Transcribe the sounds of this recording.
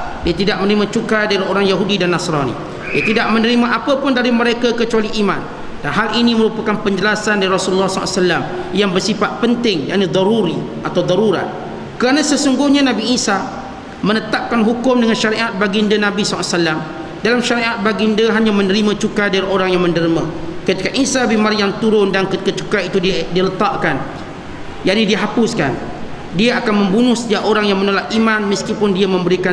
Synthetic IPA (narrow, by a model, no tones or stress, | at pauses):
diat̪idaʔ̚mənəɾimãt͡ʃukadaɾioɾaŋjaɦudidanːasɾanḭ | diat̪idaʔ̚mənəɾimaʔapapʊndaɾiməɾekakət͡ʃualiʔːmã̰n | d̥anɦaliniməɾupakanpəɲd͡ʒəlasandaɾiɾɔsululːɔsl̰salːam | jaŋbərsifat̪̚pənt̪ɪŋja̰ʔnid̪ɔɾuɾiʔat̪awd̪ɔɾuɾa̰t̪̚ | kəɾanãsəsuŋɡʊhɲãnãbiːsa | mənət̪ap̚kanɦukʊmdəŋãnʃaɾiʔat̪̚baɡindənãbisaasalam | dalamʃaɾiʔat̪̚baɡindəɦaɲãmə̃nəɾimãt͡ʃukadaɾioɾaŋjaŋmə̃nəɾimã̰kət̪ikaʔisabimaɾiant̪uɾʊndankət̪i̥kət͡ʃukait̪udidialət̪ɑʔkan | jaʔnidiaɦapʊska̰n | diaakanmə̃mbunʊhsəd͡ʒaʔoɾaŋjaŋmə̃nolaʔimãnməskipʊndiamə̃mbəɾika